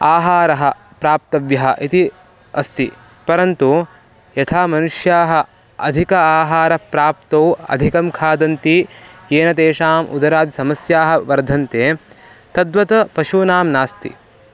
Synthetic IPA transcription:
aːɦaːɾɐɦɐ̆ | pɾaːp̚t̪ɐʋjɐɦɐ̰̆ʔit̪i | ɐst̪i | pɐɾɐnt̪u | jɐt̪ʰaːmɐnuʂjaːɦɐ̆ | ɐ̰d̪ʱikɐaːɦaːɾɐpɾaːpt̪ɐːɐ̰d̪ʱikɐmkʰaːd̪ɐnt̪ijeːnɐt̪eːʃaːmʔṵd̪ɐɾaːd̪isɐmɐsjaːɦɐ̆ʋɐɾd̪ʱɐnt̪eː | t̪ɐd̪ʋɐt̪ɐpɐʃuːnaːmnaːst̪ḭ

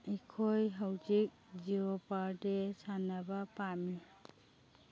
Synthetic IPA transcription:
ikʰɔjɦawd͡ʒik̚d͡ʒiɔpaɾdesʰanabapami

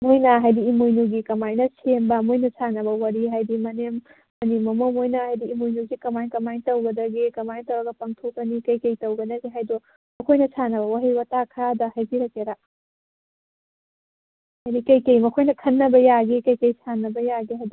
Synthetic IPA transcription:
mojnɐɦajdiːmojnuɡikɐmajnɐsembɐmojnɐsʰanɐbɐwɐɾiɦajdimɐnemː | ɐnemɐmomojnɐhajdiːmojnuzikɐmajnkɐmajntɐwɡɐdɐɡikɐmajntɐwɐɡɐpɐŋtʰokːɐnikɐjkɐjtɐwɡɐdɐɡiɦajdo | mɐkʰojnɐsʰanɐβɐwaɾiwɐtakʰɐɾadɐhajbiɾɐkeɾa | hajdikɐjkɐjmɐkʰojnɐkʰɐnːɐbɐjaɡikɐjkɐjsʰanːɐbɐjaɡiɦajd

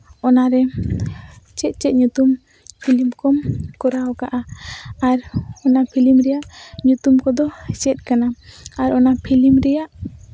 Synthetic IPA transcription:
ɔnaɾɛ | t͡ʃɛt̪̚t͡ʃɛt̪̚ɲut̪um | pʰilimkɔmkɔɾawkaʔaaɾɔnapʰilimɾɛjaʔɲut̪umkɔd̪ɔt͡ʃɛt̪̚ˀkanaaɾɔnapʰilimɾɛjaʔ

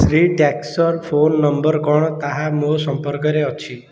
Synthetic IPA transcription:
sɾiːʈɛksɔɾfonːəmbəɾkɔɳt̪aɦamosəmpəɾkəɾeɔt͡ɕʰi

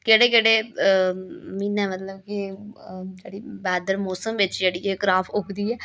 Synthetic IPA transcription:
keːɽeːkeːɽeː | miːnɛːmət̪ləbkɪ | d͡ʒeːɽiːbɛːd̪əɾmɔːsəmʋɪt͡ʃd͡ʒeːɽiːɛːkɾaːfʰʊkʰd̪iːɛː

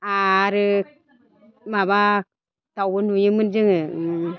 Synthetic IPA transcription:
aɾi | maba | tawwunujimɨnd͡ʒiŋə

